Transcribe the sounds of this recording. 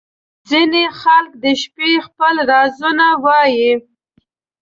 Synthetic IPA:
zinexalk̚d̪əʃpexpəlɾɑzunawɑji

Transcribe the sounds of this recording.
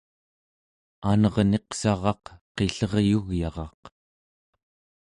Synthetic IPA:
anʌʁne̞qsɑʁɑqqe̞ɬʌʁjuɣjɑʁɑq

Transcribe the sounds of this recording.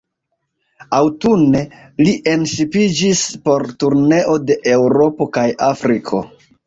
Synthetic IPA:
awtunːe̞ | liʔe̞nʃipid͡ʒispo̞ɾtuɾne̞ʔo̞de̞ʔe̞wɾo̞po̞kajafɾikʰo̞̰

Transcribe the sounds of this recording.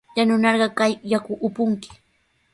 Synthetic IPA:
janʊnɑɾɢɑkajːakʊʔːpʊŋkɪ̥

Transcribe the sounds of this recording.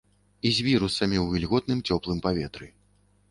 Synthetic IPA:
izʲvʲiɾusɐmʲiwvʲilʲɣɔt̪̚nɨmt͡sʲɔplˠɨmpavʲɛt̪ɾɨ

